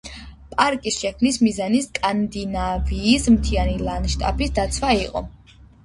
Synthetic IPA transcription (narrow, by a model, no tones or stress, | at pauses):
pʼaɾkʼisʃɛkʰmnismizaniskʼand̪inaviːsmt̪ʰianilˠanʃt̪ʼa̰pʰisd̪at̪sʰwaiqʼɔ̰